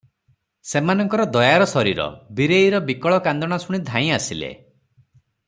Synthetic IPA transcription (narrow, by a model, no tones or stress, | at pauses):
semanɔŋkɔɾɔd̪ɔjaɾɔsɔɾiɾɔ̰biɾeiɾɔbikɔɭɔkand̪ɔɽ̃asuɽ̃id̪ʱãjĩasilḛ